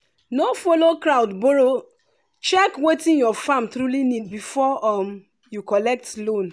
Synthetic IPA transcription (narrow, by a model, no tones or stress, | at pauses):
nofolokɾawdboɹo | t͡ʃɛkwetĩnjɔfãmtɾulinid̚bifɔɔm | jukɔlɛk̚tlõn